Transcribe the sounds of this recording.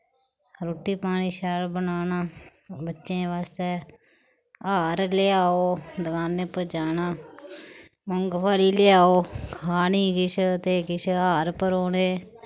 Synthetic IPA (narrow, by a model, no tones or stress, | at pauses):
ɾoːʈːiːpaːɽiːʃaːlbənaːnaːbətːʃẽːʋaːst̪ɛː | aːɾleaːoːd̪əkaːnːẽːpəd͡ʒaːnaː | mʊŋɡpʰaːliːlɪaːoːkʰaːniːɡɪt͡ʃʰt̪eːɡɪt͡ʃʰaːɾpəɾoːneː